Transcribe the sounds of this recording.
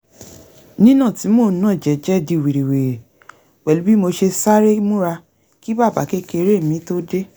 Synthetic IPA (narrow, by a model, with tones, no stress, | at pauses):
nĩ˦nã˦˨ti˨˦mo˦˨˦nã˦˨d͡ʒɛ˨˦d͡ʒɛ˦di˧˨wi˨ɾi˨we˨ɾe˨ | k͡pɛ˨lu˨˦bi˦mo˧ʃe˧sa˦ɾe˦mũ˦ɾa˧ | ki˦ba˦˨ba̰˨˦ke˦ke˧ɾe˦˨mĩ˨˦to˦de˦